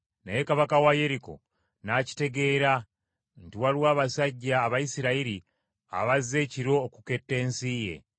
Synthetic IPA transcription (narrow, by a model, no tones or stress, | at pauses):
na̰jekaβakawaje̞ɾiko̞̰ | naci̥te̞ɡe̞ːɾa | ntiwalwaːβasaɟːaːβajisiɾaiɾi | a̰βazːe̞ːciɾo̞ːkuke̞tːe̞ːnsije̞̰